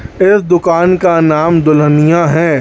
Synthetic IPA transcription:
ɪsd̪ʊkaːnkanaːmd̪ʊlənijãɦɛ̃ː

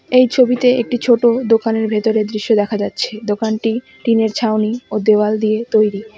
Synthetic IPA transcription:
ejt͡ɕʰobit̪eek̚ʈit͡ɕʰoʈod̪okaneɾbʱet̪oɾed̪ɾiʃːod̪ɛkʰad͡ʑatːɕʰed̪okanʈi | ʈineɾt͡ɕʰaoniod̪ewald̪iet̪ojɾi

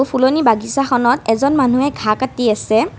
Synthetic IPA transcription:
upʰulonibaɡisaxɔnɔtɛzɔnmanuɛɡʱakatiasɛ

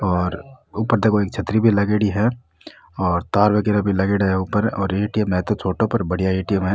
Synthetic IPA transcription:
ɔːɾuːpəɾd̪ekoeːk̚t͡ʃʰət̪ɾibʱilɐɡeɽiɦɛ | ɔːɾt̪aːɾʋekeɾəbʱilɐɡeːɽɦɛuːpəɾɔːɾeːʈijəmɦɛːt̪ot͡ʃʰoːʈõpəɾbɐɽ̤ijaeːʈijəmɦɛ

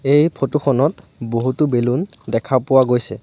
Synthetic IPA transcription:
ejpʰotuxʰɔnɔtboɦutubelun | dɛkʰapʊwaɡojsɛ̰

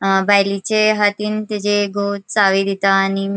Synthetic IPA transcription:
bʱajlit͡ɕeɦat̪iːnt̪ed͡ʑeɡot͡saʋid̪ʱit̪aːni

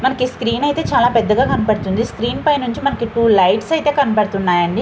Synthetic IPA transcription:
mɐnɐkiskɾiːnɐjt̪e̞ːt͡ʃaːlaːpɛd̪ːɐɡaːkɐnupɐɽt̪und̪iskɾiːnpɐjnuɲt͡ʃimɐnɐkiʈuːlɐjʈsɐjt̪eːkɐnupɐɽɐt̪unːaːjɐɳɖi

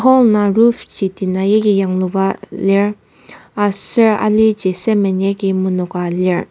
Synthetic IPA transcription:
ɦɔlnaɹuft͡ɕit̪inajekijaŋlowaleɹ | asɛɹa̰lid͡ʑesɛmɛɲɛkimunɔkaleɹ

